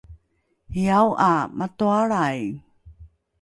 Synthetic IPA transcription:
iawʔamatuaɭaj

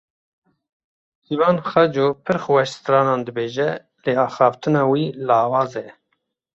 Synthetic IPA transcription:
siːvɑːnxɛd͡ʒoːpʰɨɾxwɛʃst̪ɾɑːnɑːnd̪ɨbeːʒɛ | leːɑːxɑːft̪ʰɨnɑːwiːlɑːwɑːzɛ

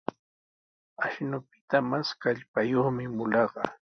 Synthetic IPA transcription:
aʃnʊpɪ̥t̪amaskaʎpajoχmɪmʊlɑɢɑ

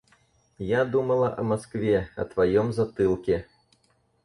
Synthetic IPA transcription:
jad̪umɐlˠɐʔɐmaskvʲɛɐ̰t̪vajɔmzat̪ɨlˠkʲɛ

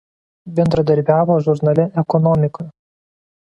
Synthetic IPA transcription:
bʲɛnd̪ɾɐd̪ɐɾʲbʲæːʋoːʒʊɾnɐlʲɪʔɛkɔnɔmʲɪkɔj

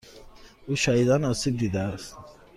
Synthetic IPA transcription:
uʃahid̪anɔsib̚d̪id̪aːst̪

